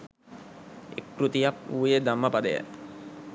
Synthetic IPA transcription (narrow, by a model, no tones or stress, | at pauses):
ḛkrut̪ijapuːjed̪amːəpad̪əjə̰